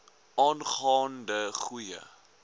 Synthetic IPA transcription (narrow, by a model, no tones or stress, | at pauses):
ʔɑːnχɑːndəχujə̰